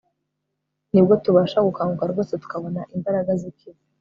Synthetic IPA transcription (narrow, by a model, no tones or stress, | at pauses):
nib̚ɡo̞tuβaːʃaɡukaːŋɡukaɾɡo̞ːsetu̥kaβo̞naʔimbaɾaɡazikiβ